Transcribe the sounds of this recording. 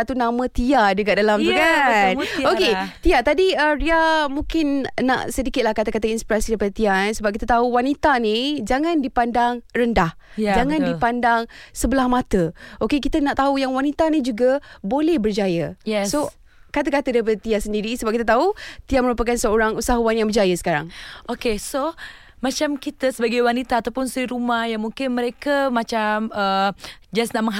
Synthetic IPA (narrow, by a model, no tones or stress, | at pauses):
at̪unãmə̃t̪iad͡ʒəɡaʔ̚dalamt̪ukanoket̪iat̪adiəriamuŋkɪnna̰ʔsədikɪt̪̚lahkat̪akat̪əinspiɾasidaipadət̪iansəbap̚kit̪at̪auwanit̪anid͡ʒaŋãndipandaŋrəndah | d͡ʒaŋãndipandaŋsəbəlahmat̪əʔokekit̪ənaʔt̪aujaŋwanit̪anid͡ʒuɡabolɛhbərd͡ʒajəjɛso | kat̪əkat̪ədaip̬adət̪iasəndiɾisəbapkit̪ət̪aut̪iaməɾupakansəoɾaŋusaɦuanjãŋbərd͡ʒajəsə̥kaɾa̰ŋʔokeso | mat͡ʃamkit̪əsəbaɡajwanit̪aːt̪awpʊnsiɾumahjaŋmuŋkɪnməɾekəmat͡ʃaməd͡ʒasnaʔməŋ